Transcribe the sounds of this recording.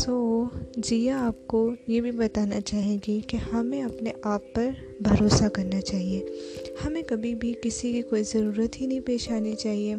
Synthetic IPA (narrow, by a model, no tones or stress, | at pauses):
sod͡ʒijaaːp̚kojebʱibɐt̪aːnat͡ʃaːɦẽːɡikehɐmẽɐpneʔaːpːɐɾ | bʱɐɾoːsakɐɾnat͡ʃaːɦieːhɐmẽkɐbʱibʱikɪsikikoːizɐɾuːɾət̪ɦinɐɦĩpeːʃaːnit͡ʃaːɦieː